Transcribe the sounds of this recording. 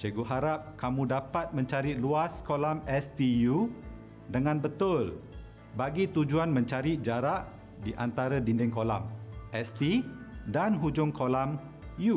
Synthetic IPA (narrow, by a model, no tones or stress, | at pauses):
t͡ʃəɡuɦaɾap̚kamũdapat̪̚mə̃ɲt͡ʃaɾiluaskolamɛst̪iju | dəŋãnbət̪ʊl | baɡit̪ud͡ʒuanmə̃ɲt͡ʃaɾid͡ʒaɾaʔ | diʔa̰nt̪aɾədindɪŋkolamɛst̪idanɦud͡ʒʊŋkolam | ju